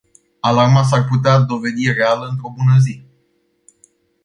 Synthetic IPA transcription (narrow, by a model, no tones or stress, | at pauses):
alarmat̪s̬arput̪ead̪o̞ve̞d̪irealəɨnt̪ɾo̞bunəzi